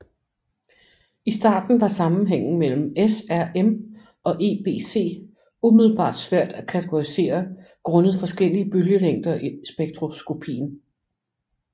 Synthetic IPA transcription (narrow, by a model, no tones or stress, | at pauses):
isd̥ɑ̰̈ːd̥n̩ʋɑ̈sɑ̈mn̩ɦeŋ̰n̩mel̰m̩esæɐem | ɒ̽ʔe̝ːb̥e̝̰ːse̝̰ː | umið̞ˠl̩b̥ɑ̰̈ːd̥sʋæɐ̰d̥ækʰæt͡sʰeɡ̥o̝ʁise̝̰ːɐ | ɡ̥ʁɔ̽nəð̞̩ˠfɒ̽sɡ̥el̰iəb̥øljəleŋ̰d̥ɐʔisb̥eɡ̥̚d̥ʰʁo̝sɡ̥o̝pʰḭːn̩